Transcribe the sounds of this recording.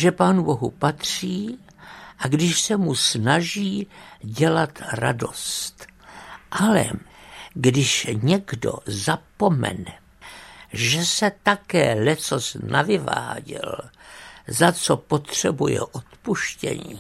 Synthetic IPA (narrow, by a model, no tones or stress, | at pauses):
ʒɛpaːnubo̞ɦupat̪r̥iː | ʔaɡdɪʃsɛmusnaʒiːɟɛlat̪ra̰do̞st̪ʔalɛ̰ɡdɪʃɲɛɡdo̰zapo̞mɛ̰nɛ | ʒɛsɛt̪akɛːlɛt͡sosnʔavɪva̰ːɟɛ̰l | zat͡sopo̞t̪r̥ɛbujɛ̰ʔot̪puʃcɛ̰ɲḭː